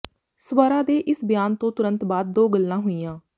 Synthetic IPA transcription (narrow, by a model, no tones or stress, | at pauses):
swəɾaːd̪eːʔɪsbɪjaːnt̪õːt̪ʊɾə̃nt̪baːd̪̚ːoːɡəlːãːɦʊijãː